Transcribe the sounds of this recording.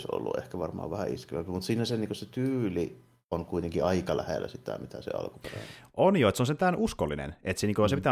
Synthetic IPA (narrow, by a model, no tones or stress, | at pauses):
so̰lːṵʔḛhkæʋɑrmɑ̰ːʋæhæiskiʋæ̰pmut̪siːnæseniŋkoset̪yːli | onkuit̪eŋkiɑikɑlæhelːæsit̪æ̰mit̪æsḛɑ̰lkuperæʔonjoet̪seonsent̪æːnʔuskolːinḛnet̪seniːŋkojosepit̪æː